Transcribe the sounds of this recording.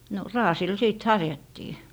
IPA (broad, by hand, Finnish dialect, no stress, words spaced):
no rɑːsil siˑt hɑrjɑtːiː